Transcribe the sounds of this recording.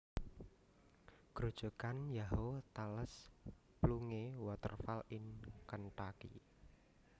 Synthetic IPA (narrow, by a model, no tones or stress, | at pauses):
ɡ̥ɾud̥ṳkanjaɦot̪aləs | pluŋewɔt̪ə̰rfalɪnkənʈ̪akḭ